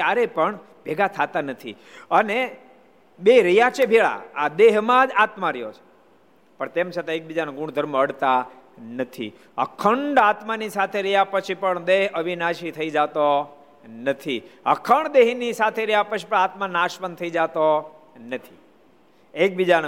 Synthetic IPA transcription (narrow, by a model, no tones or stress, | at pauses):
kjaɾepəɳ | bʱeɡat̪ʰat̪anət̪ʰi | əne | ɓeɾijat͡ʃebʱeɭa̰ad̪eɦmãd͡ʒat̪mãɾəjot͡ʃʰe̥ | pəɳt̪emt͡ʃʰet̪aek̚bid͡ʒanɡũɽ̃d̪ʱəɾməəɽt̪a | nət̪ʰḭ | ə̰kʰəɳɖat̪manisat̪ʰeɾijapət͡ʃʰipəɳd̪eɦəʋinaʃit̪ʰəid͡ʒat̪o | nət̪ʰiə̰kʰəɳd̪eɦnisat̪ʰeɾəjapət͡ʃʰi̥pəɳat̪manaʃmənt̪ʰəid͡ʒat̪onət̪ʰi | ek̚bid͡ʒan